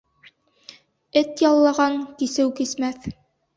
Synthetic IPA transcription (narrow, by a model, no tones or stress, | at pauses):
ɘt̪jɑlˠːɑʁɑŋkisɘwkismæθ